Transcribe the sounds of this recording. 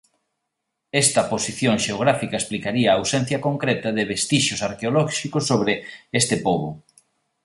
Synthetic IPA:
est̪ɐposiθjoŋʃeoɣ̞ɾafikɐesplikaɾiɐːwsɛn̟θjɐkoŋkɾɛt̪ɐðɪβest̪iʃosaɾkeolɔʃikosːoβɾɪest̪ɪpoβʊ

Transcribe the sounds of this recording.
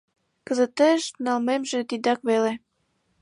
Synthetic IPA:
kə̆zə̆t̪eʃnɑlmemʒĕt̪id̪ɑkβele

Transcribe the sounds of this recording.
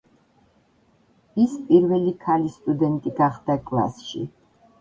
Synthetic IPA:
ispʼiɾvɛlikʰalist̪ʼud̪ɛnt̪ʼiɡaχd̪akʼla̰sʃḭ

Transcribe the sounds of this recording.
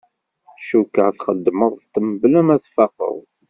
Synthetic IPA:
ʃukːəʕθχəd̪ːməðˤt̪ːəməblæmæθfɑqə̰ðˤ

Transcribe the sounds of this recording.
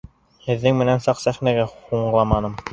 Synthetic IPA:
hɘ̆ðːɘŋmɘ̆nænsɑqsæχnæɡæhuɴlˠɑmɑnɤm

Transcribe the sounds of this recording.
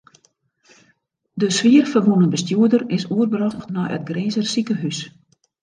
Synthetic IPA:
dəsʋiərfərʋunənbəstjuədərɪsuərbrɔxtnɔjʔə̰t̚ɡreːzərsikəɦys

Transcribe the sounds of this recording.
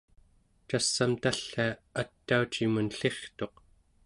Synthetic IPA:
t͡ʃasːamt̪aɬːaat̪ːaut͡ʃimunɬe̞χt̪o̞q

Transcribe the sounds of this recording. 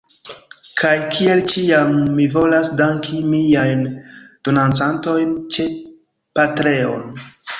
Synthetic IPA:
kʰajkʰie̞lt͡ʃiamːivo̞lasdaŋkʰimiajnd̥o̞nant͡santo̞jnt͡ʃe̞ | patɾe̞o̞̰n

